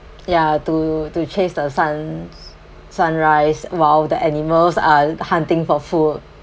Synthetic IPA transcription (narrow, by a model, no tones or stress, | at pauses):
jatutut͡ʃʰesdəsãn | sãnɹaɪswaldəʔɛniməlsahãntɪ̃ŋfɔfud